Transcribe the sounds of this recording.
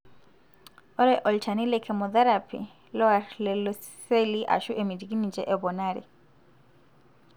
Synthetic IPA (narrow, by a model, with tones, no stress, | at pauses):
ɔ˦ɾɛ˦ʔɔ˨ltʰa˨ni˦lɛ˦kʰɛ˨mɔ˨ða˦ɾa˨pʰḭ˨ | lɔ˦a˨ɾlɛ˨lɔ˦ | se˦li˦ʔa̰˨ʃu˦ʔe˨mi˨di˨ki˦ni˨d͡ʒɛ˦˨ʔɛ˨βɔ˨na˦˨ɾḭ˨